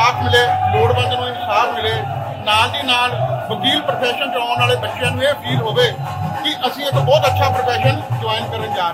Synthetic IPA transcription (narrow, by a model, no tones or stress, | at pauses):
aːpʰmɪleːloːɽbə̃nd̪nũːɪnsaːpmɪleː | naːld̪iːnaːlbəɡiːlpəɾpʰɛːʃənt͡ʃəaːnaːleːb̪ətːʃjãːnũːeːpʰiːlɦoːʋeː | kɪʔəsĩːet̪õːbɔːt̪ətːʃʰaːpəɾpʰɛːʃənd͡ʒʊaːɪnkəɾənd͡ʒaːɾe